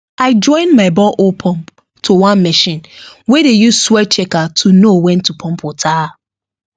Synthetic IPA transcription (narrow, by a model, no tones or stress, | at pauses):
aɪd͡ʒɔ̃ɪ̃nmaɪbɔlʔopʰɔ̃mp | tʰowãnmɛʃĩnwedejuswɛt͡ʃɛkatʰunowɛ̃ntupʰɔ̃mpʰotʰa